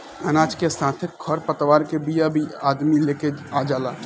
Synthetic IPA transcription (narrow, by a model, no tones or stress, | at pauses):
ɐnaːt͡ʃkesãːt̪ʰɪkkʰːɔɾpət̪ʋaːɾkebijabʱiaːd̪mileːkeaːd͡ʒaːlaː